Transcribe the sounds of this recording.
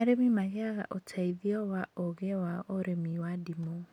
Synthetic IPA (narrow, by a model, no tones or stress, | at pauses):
aɾemimaɣɛaɣa̰ʔotʰaiðiɔwaoɣewaoɾemiwadimo